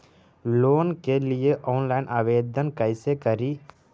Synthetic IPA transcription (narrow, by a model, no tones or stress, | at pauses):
loːnkelɪjeʔɔːnlaːɪnʔaːʋeːd̪ʱənkɐɪsekəɾi